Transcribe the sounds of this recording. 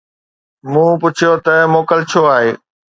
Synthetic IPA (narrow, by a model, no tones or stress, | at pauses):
mũːpʊt͡ɕʰijot̪ɐmoːkəlt͡ɕʰoaːɦeː